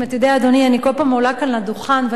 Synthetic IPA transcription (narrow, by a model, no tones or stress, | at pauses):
at̪jod̪eaːd̪onianiko̞lpamolakanad̪uχanve